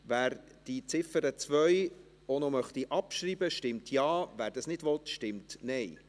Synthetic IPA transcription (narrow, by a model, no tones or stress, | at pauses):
væːɾ | d̥it͡sɪfəɾət͡svœj | onomœχtiʔɑpʃriːbəʃtɪmtʰjɑːvæːɾd̥ɑsnɪdʋɔtʃtɪmtnɛj